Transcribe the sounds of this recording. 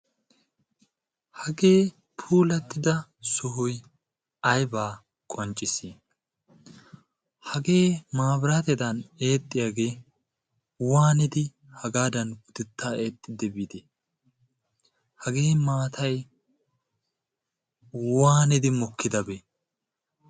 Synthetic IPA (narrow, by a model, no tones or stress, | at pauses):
hɐɡe̞ː | pʰuːlɐt̪ːɪd̪ɐsʊɦʊj | ɐjbaː | kʼɔnt͡ʃʼːɪsi | hɐɡe̞ːmaːbɾaːt̪ɛd̪ɐneːt̪ʼːɪjaɡe̞ː | waːnɪd̪ɪ | hɐɡaːd̪ɐnɡʊd̪ɪt̪ːaːeːt̪ʼːɪd̪ɛbid̪ɛ | hɐɡe̞ːmaːt̪ʰɐj | waːnɪd̪ɪmɔkʰːɪd̪ɐbɛ